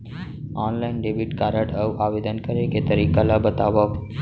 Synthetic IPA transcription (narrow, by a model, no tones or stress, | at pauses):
ɔnlainɖebiʈkaɾəʈəʋʔaʋed̪ənkəɾeket̪əɾikalabət̪aʋa